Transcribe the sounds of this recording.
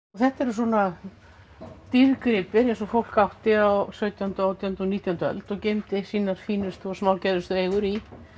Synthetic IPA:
ɔθɛht̪ɛɾʏs̬wɔna | t̪iðkɾɪpɪɾẽnsɔfowl̥kawht̪ɪawsœɥt̪jaʏnt̪awt̪jaʏnt̪ɔniːt̪jawnt̪œ̰lt̪ɔɣcejmt̪ɪsiːnaɾ̥fiːnʏst̪ɔsmawlcɛðʏst̪ʏɾejɣʏɾi

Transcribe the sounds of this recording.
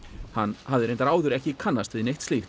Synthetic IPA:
hanːhavðɪɾejnt̪aɾaːwðʏɾɛhcɪkʰanːast̪vɪðnejht̪st̪ift̪

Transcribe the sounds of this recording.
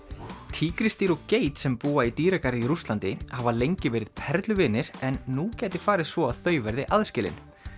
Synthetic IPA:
t̪ʰiːkɾɪst̪iɾɔceːjt̪sɛmpuːait̪iːɾɛkaɾɪiɾust̪lant̪ɪhavalejɲcɪvɛːɾɪðpʰɛɾt̪lʏvɪːnːɪɾ̥ɛnːucɛːt̪ɪ̥faːɾɪðsvɔaðθœːɥvɛɾðɪʔaðscɪlɪ̰n

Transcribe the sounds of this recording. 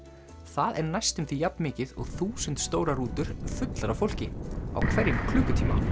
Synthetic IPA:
θaðɛɾnajst̪ʏmθijapnmɪːcɪðɔ̰ɣθuːsʏnt̪st̪oːwɾaruːt̪ʏɾ̥fʏt̪laɾawfowl̥cɪa̰wkʰvɛɾjɪnkʰlʉːkʏt̪ʰiːma̰

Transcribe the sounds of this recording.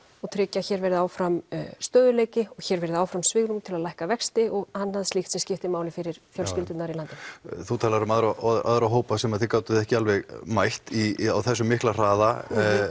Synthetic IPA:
ɔɣt̪ʰɾɪcːaçɛːɾvɛɾɪðɪawfɾamst̪œːðʏleːjcɪɔɣçɛɾvɛɾðaːwfɾamsvɪɣɾumt̪ʰɪlaðlajhkavɛkst̪ɪɔɣhanːhaðst̪lɪxt̪sɛmscɪft̪ɪmaːwlɪfɪɾɪɾ̥fjœlscɪlt̪ʏt̪naɾilant̪ɪθut̪ʰaːlaɾʏmaðɾaa̰ðɾaɦoːwpasɛmaðθɪɾkaːwt̪ʏðɪɛhcɪalvɛɣmajht̪ia̰wθɛsːʏmːɪhklar̥aːða

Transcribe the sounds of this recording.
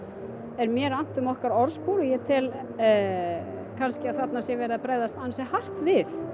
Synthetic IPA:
ɛɾmjɛɾan̥t̪ʏmɔhkaɾɔɾspuːwɾʏjɛt̪ʰɪl | kʰanscɪaðθat̪nasjɛvɛːɾðapɾeːjðast̪ansjɛhar̥t̪vɪθ

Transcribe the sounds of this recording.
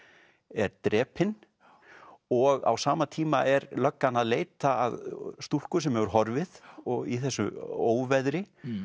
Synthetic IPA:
ɛɾt̪ɾɛːpɪn | ɔɣa̰wsaːmat̪ʰiːmaʔɛɾlœkːanaðleːjt̪aːðst̪ul̥kʏs̬ɛmhɛvʏɾ̥ɦɔɾvɪðɔɣḭθɛsːʏ̰oːwvɛðɾɪ

